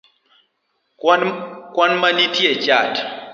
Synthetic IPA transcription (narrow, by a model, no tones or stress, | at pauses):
kwanmanitjet͡ʃat